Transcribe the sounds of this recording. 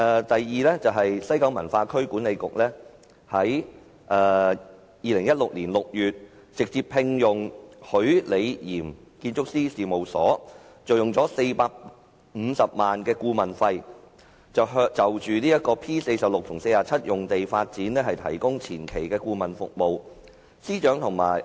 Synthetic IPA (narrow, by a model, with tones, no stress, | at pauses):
ʔɛː˨˧t̪ɐ˨˩jːiː˨lɛː˥t͡sɐ˨wɦɐ˨jsɐ˥jkɐ˨˥wmɐ˨˩nfaː˧kʰɵ˥ɥkuː˨˥nle˨˧jkʊ˨k̚lɛː˥ | hɐ˨˥j | ʔɛː˧˩ | jiː˧lɪ˨˩ŋjɐ˥t̚lʊ˨k̚liː˨˩nlʊ˨k̚jyː˨t̚ | t͡sɪ˨k̚t͡siː˧pʰɪ˧ŋjʊ˨ŋhɵ˨˥ɥle˨˧jjiː˨˩mkiː˧nt͡sʰʊ˥k̚siː˥siː˨mo˨wsɔ̰ː˨˥ | t͡sɐ˨wjʊ˨ŋt͡sɔː˨˥se˧jpaː˧k̚ | m̩˨˧sɐ˨p̚maː˨nkɛː˧kuː˧mɐ˨˩nfɐ˧j | t͡sɐ˨wɦœː˧t͡sɐ˨wt͡ʃyː˨niː˥jɐ˥t̚kɔː˧pʰiː˥se˧jsɐ˨p̚lʊ˨k̚t̪ʰʊ˨˩ŋse˧jaː˨t͡sʰɐ˥t̚jʊ˨ŋt̪e˨jfaː˧t̚t͡siː˨˥nlɛː˥ɦɐ˨jt̪ʰɐ˨˩jkʊ˥ŋt͡sʰiː˨˩nkʰe˨˩jkɛː˧kuː˧mɐ˨˩nfʊ˨k̚mo˨w | siː˥t͡ʃœː˨˥ŋt̪ʰʊ˨˩ŋma̰ː˨˩j